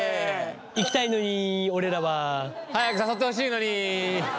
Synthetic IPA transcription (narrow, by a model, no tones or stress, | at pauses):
ikʲi̥t̪aino̞ɲ̟io̞ɾe̞ɾaβahajakɯsaso̞t̪ːeo̞ɕ̬iːno̞ɲ̟i